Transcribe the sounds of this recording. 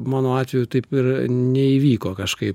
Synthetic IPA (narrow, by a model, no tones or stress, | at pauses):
mɑːnoːɑːt̪ʲʋʲɛjut̪ɐɪpɪɾnʲɛiʋʲiːkoːkɐʃkɐɪp